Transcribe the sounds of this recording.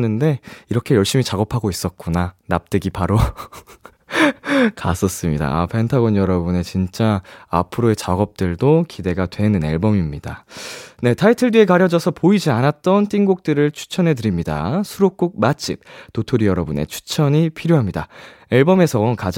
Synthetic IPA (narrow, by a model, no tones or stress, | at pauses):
nɯnde̞iɾʌkʰe̞jʌɭɕ͈imit͡ɕaɡʌpʰaɡois͈ʌt̚k͈unanap̚t͈eɡipaɾo | ka̰s͈ʌs͈ɯmɲida̰a̰pʰe̞ntʰaɡʌnjʌɾʌbune̞t͡ɕint͡ɕ͈aa̰pʰɯɾoe̞t͡ɕaɡʌp̚t͈ɯɭdokide̞ɡatwe̞nɯne̞̰ɭbʌmimɲida̰ne̞tʰaitʰɯɭdie̞kaɾjʌd͡ʑʌsʰʌpoid͡ʑianat͈ʌnt͈iŋɡok̚t͈ɯɾɯɭt͡ɕʰu̥t͡ɕʰʌnɦe̞tɯɾimɲida̰sʰuɾok̚k͈uk̚mat͡ɕ͈ʰip̚totʰoɾijʌɾʌbune̞̰t͡ɕʰu̥t͡ɕʰʌɲipʰiɾjoɦamɲida | e̞ɭbʌme̞sʰʌkad͡ʑ